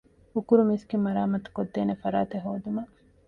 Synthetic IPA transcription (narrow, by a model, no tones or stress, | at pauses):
ukuɾumisɡimɐɾaːmɐt̪u̥kod̪ːeːnefɐɾaːt̪eɦoːd̪umɐ